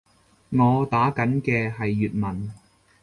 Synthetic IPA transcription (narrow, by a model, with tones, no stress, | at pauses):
ŋɔː˨˧t̪aː˨˥kɐ˨˥nkɛː˧ɦɐ˨jːyː˨t̚mɐ˨˩n